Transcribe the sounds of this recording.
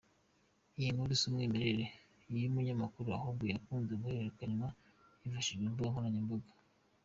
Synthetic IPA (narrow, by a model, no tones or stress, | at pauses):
ijinuɾisumŋiːmeɾeɾe | jumuɲamakuɾua̰hobɡujakuːnzeɡuheeɾekaɲwa | ivaʃiʒɡembaɡaŋhonaɲimbaɡḁ